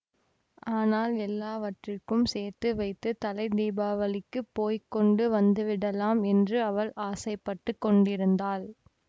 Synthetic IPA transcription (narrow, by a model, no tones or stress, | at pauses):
ʔaːnaːlɛlːaːʋɐʈrɪkːɯmseːɾt̪ːɯʋɐɪt̪ːɯt̪ɐlɐɪd̪iːbaːʋɐlɪkːɯpoːjkːɔɳɖɯʋɐnd̪ɯʋɪɽɐlaːmɛndrɯɐʋɐɭʔaːsɐɪpːɐʈːɯkːɔɳɖɪɾɯnd̪aːl